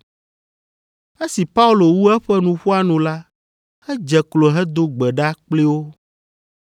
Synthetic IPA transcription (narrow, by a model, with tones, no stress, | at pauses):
e˦si˨pa˦u˦lo˨wu˦ɛ˦ɸɛ˦nũ˨ɸu˦a˦nũ˨la˦ | hɛ˦d͡ʒɛ˨klo˨ɦɛ˦d̪o˦ɡ͡bɛ˨ɖa˦k͡ple˦wo˦